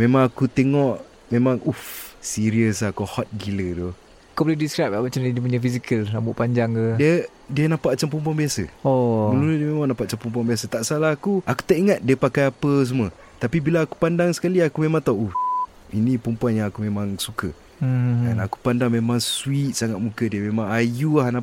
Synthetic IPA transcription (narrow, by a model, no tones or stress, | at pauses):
memãŋakut̪eŋɔʔ | memãŋufsiɾiəsakuhɔt̪̚ɡilədo | akobələdiskɾap̚aʔmat͡ʃamdədəp̬uɲafisikəlnambuʔpaɲd͡ʒaŋədiə | diənapaʔt͡ʃampəmpuanbiasə̰ɔəluludiəmemaŋnãmpaʔ̚t͡ʃampump̬uanbiasət̪aʔsalahakuʔaku̥t̪aʔiŋat̪̚diəpakajapəs̬əmuə | t̪apibilaːku̥pandaŋsə̥kaliakumemãŋt̪awʔuf | inĩpəmpuanjaŋakumemãŋsukə | danaku̥pandaŋmemãŋswit̪̚saŋat̪̚mukədiəmẽmãŋajuahna